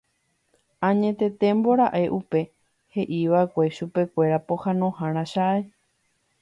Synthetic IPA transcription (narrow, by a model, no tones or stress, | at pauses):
ãɲẽt̪e̞t̪e̞mbo̞ɾaʔe̞ʔupe̞ | he̞ʔiʋaekʷe̞ʃupe̞kʷe̞ɾapo̞hãnõhãɾ̃ãʃaʔe